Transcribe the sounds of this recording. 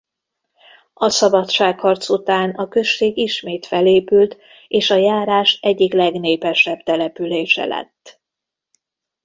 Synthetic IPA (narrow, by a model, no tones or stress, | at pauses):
ɒsɒbɒt̪ʃaːkhɒrt̪sut̪aːnɒkø̞ʃːeːɡiʃmeːt̪fɛleːpylt̪ | eːʃɒjaːɾaːʃɛɟːiklɛɡneːpɛʃɛbt̪ɛlɛpyleːʃɛ̰lɛ̰t̪ː